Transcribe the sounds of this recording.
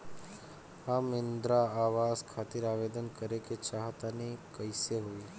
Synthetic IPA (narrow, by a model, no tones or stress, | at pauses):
hamɪnd̪ɾaaʋaskʰat̪iɾaʋed̪ənkəɾeket͡ʃaɦt̪anekəjseɦoi